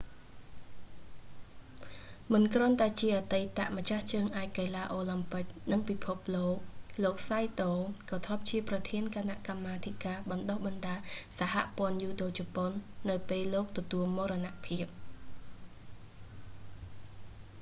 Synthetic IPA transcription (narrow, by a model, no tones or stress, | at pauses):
mɨnkrŏənt̪aɛt͡ɕiəʔat̪ejt̪a̰ʔmə̆t͡ɕaht͡ɕəːŋʔaɛc̚kelaːʔoːlɨmpɨk̚nɨŋpipʰop̚loːk̚loːk̚sajt̪oːkɑːt̪ʰrop̚t͡ɕiəprɑt̪ʰiənkʰanaʔkamːaːt̪ʰikaːɓɑnɗohɓɑnɗaːsaɦa̰ʔpŏənjuːɗoːt͡ɕɔponːɨwpeːlːoːk̚t̪ɔt̪uəlmoːɾɔnaʔpʰiəp̚